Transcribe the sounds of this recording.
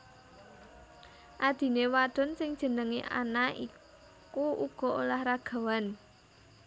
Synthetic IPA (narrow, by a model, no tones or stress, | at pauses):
ʔad̪̥i̤newaɖ̪̥ɔ̤nsɪŋd̥ʒ̥ə̤nəŋḛʔa̰nai | kuuɡ̥ɔ̤olahɾaɡ̥a̤wan